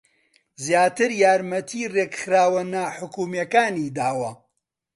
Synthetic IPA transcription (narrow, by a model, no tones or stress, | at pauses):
zjaːt̪ɨɾjaːɾmɐt̪ʰiːreːkxɾaːwɐnaħʊkuːmjɐkaːniːd̪aːwɐ